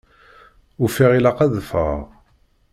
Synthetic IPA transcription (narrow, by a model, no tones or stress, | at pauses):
ufiʁilaqæðfə̰ʁ